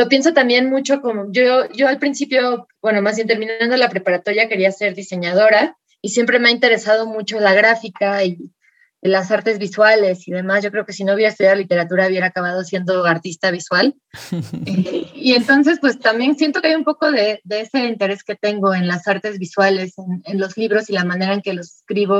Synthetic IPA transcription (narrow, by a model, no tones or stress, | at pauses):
lo̞pje̞ns̬o̞t̪ambje̞nmut͡ʃo̞ko̞moʝoʝo̞alpɾinsipjo̞bwe̞no̞masjent̪e̞ɾmĩnaãnd̪olapɾe̞paɾat̪o̞ɾjake̞ɾiase̞ɾðise̞ɲað̞o̞ɾa | isje̞mpɾe̞meaint̪e̞ɾe̞sað̞o̞mut͡ʃo̞laɣɾafikai | lasaɾt̪e̞zβiswale̞siðe̞masʝo̞kɾe̞oke̞sinouβeɾaest̪uðjaðolit̪e̞ɾat̪uɾauβje̞ɾaːkaβ̞að̞o̞sje̞nd̪o̞aɾt̪ist̪aβ̞iswal | eie̞nt̪o̞ns̬e̞spwe̞st̪ambje̞nsje̞nt̪okeajumpo̞ko̞ðe̞ðeese̞int̪e̞ɾe̞ske̞t̪e̞ŋɡo̞e̞nlasaɾt̪e̞zβiswale̞senenlo̞zliβɾo̞silamãne̞ɾaeŋke̞lo̞se̥skɾiβo̞